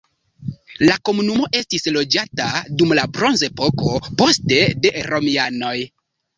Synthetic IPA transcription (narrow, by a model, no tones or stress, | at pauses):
lako̞munumo̞ʔe̞stislo̞d͡ʒatadumlabɾo̞nze̞po̞ko̞po̞ste̞de̞ɾo̞miano̞j